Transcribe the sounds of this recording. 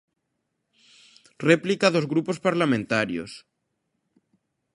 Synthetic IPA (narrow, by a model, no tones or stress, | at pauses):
replikaðozɣɾupospaɾlamẽnt̪aɾjo̰s